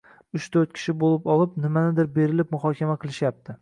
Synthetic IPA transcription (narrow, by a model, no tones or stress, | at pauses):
ʊʃt̪ʰɵɾt̪̚kʲʰɪ̥ʃɪbolˠɪpɒlˠɪpnɪmanɪd̪ɪɾbe̞ɾɪlɪp̚mʊχɒkʲʰamaqʰɨlˠɪʃjap̚t̪ʰɪ